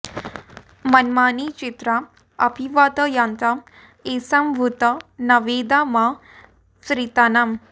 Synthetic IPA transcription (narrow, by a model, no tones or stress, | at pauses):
mɐnmaːnit͡ʃit̪ɾa | ɐpiʋaːt̪əjant̪a | esɐmbʱut̪ɐnɐʋed̪ama | sɾit̪anam